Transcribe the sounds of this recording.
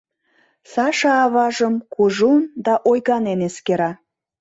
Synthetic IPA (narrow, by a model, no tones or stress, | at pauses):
sɑʃɑːβɑʒəmkuʒund̪ɑʔojɣɑneneskeɾɑ